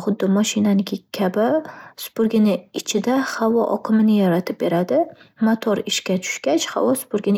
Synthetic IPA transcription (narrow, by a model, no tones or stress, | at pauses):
χʊd̪ːɪmɒʃɪnanɪkʲɪkʲʰabɪspʊɾɡʲɪnɪɪt͡ʃʰɪd̪ahavɒ̰ʔɒ̰qʰɨmɪnɪjɒɾat̪ʰɪp̚be̞ɾad̪ɪmot̪ʰoɾɪʃkʲat͡ʃʰʊ̥ʃkʲat͡ʃha̰vɒspʊɾɡʲɪnɪ